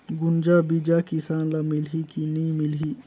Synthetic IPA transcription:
ɡʊnd͡ʒabid͡ʒakisaːnlamilɦikinimilɦi

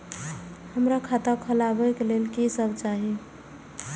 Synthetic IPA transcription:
həmɾakʰat̪əkʰəlabəkelelkesəbʱt͡ʃaɦi

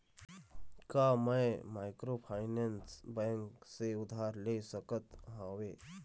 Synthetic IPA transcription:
kamə̃jmaːɪkɾopʰaːɪnẽnsbɛ̃ŋkseʊd̪ʱaːɾlesəkət̪ɦãːʋeː

